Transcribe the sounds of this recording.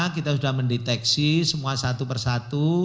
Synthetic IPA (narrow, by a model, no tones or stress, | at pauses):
kit̪asudahməndet̪ɛksisəmuasat̪upərsat̪u